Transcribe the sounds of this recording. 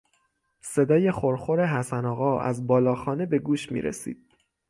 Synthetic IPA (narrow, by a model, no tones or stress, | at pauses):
se̞d̪ɒːje̞xoɾxo̞ɾe̞ɦæsænɒːɣɒːæ̰zbɒːlɒːxɒːne̞be̞ɡuːʃmḭːɾḛsḭːd̪̥̚